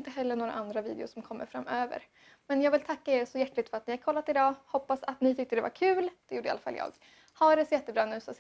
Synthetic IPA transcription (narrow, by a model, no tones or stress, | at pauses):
nt̪əɦɛlːənoːɾa̰ʔand̪ɾavḭːd̪ɪʊʂɔmkʰɔmːə̰ɾfɾa̰mːøːvə̰ɾ | mɛnjɑːɡvɪlt̪ʰakːaeːɾsɔjæʈːlɪɡt̪fœɾat̪̚nɪhaɾkʰɔlːat̪ɪd̪ɑːhɔpːasat̪nɪt̪ʰʏk̚t̪əd̪ɛva̰ɾkʰʉ̟ːld̪̥ɛjuːɖəa̰lafa̰ljʔɑ̰ːɡ | hɑɖɛsɔjɛt̪ːəbɾɑːnʉ̟ːsɔs